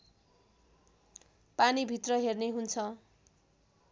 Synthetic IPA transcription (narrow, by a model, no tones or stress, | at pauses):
panibʱit̪rʌɦerneɦunt͡sʰʌ